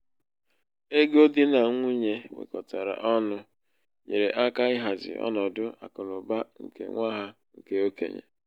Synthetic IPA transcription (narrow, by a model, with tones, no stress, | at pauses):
e˦ɡo˦dɪ˦na˨˦ŋʷu˦ɲe˦wḛ˨kɔ˨ta˨ɾa̰˨ʔɔ˦nʊ˦ | ɲe˨ɾe˨ʔa˦ka˦ɪ˦ɦa˨zɪ̰˨ɔ̰˦nɔ˨dʊ˦a̰˨kʊ˨ɾʊ˨ba˦ŋ̩˨kḛ˨ŋʷa˦ɦa˦ | ŋ̩˨ke˦o˦kḛ˨ɲḛ˨